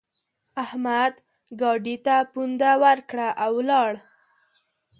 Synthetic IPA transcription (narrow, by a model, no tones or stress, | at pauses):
ahmad̪ | ɡɑɖit̪apund̪awaɾkɽaʔawlɑɽ